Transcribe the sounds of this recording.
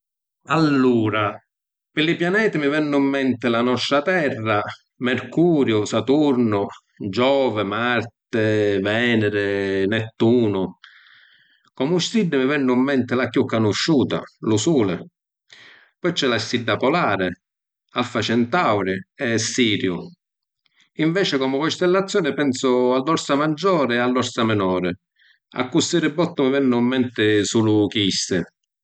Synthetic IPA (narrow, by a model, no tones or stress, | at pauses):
alːuːɾa | pɪlːɪpjanɛːt̪ɪmɪvɛnːʊimːɛnt̪ɪlanɔst̪ɾat̪ɛrːa | mɛɾkuːɾjʊsat̪uɾnʊ | d͡ʒɔːvɪmaɾt̪ɪvɛːnɛɾɪnɛt̪ːuːnʊ | kɔmʊst̪ɾid̪ːɪmɪvɛnːʊimːɛnt̪ɪlakjukːanʊʃːuːt̪a̰lusuːlɪ̰ | pɔjt͡ʃːɛlast̪id̪ːapɔlaːɾɪ | alfat͡ʃɛnt̪awɾɪɛsiːɾjʊ | iɱvɛːt͡ʃɪkɔmʊkɔst̪ɛlːat̪sːjɔːnɪpɛnsʊalːɔɾsamad͡ʒːɔːɾɪalːɔɾsamɪnɔːɾɪ | a̰kːust̪ɪɾɪbːɔt̪ːʊmɪvɛnːʊmːɛnt̪ɪsulʊkist̪ɪ